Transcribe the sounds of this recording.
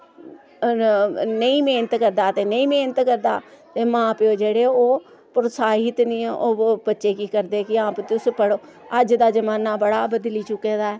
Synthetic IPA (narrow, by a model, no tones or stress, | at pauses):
nəĩːmeːnət̪kəɾd̪aːt̪eːnəĩːmeːnət̪kəɾd̪a̰ːt̪eːmãːpːoːd͡ʒeːɽeːoː | pɾəsaːɦɪt̪nĩːɛʔoːbətːʃeːkiːkəɾd̪eːkɪãːpt̪ɪʊspəɽoːəd͡ʒd̪aːd͡ʒəmaːnaːbəɽaːbəd̪liːt͡ʃʊkːeːd̪aːɛː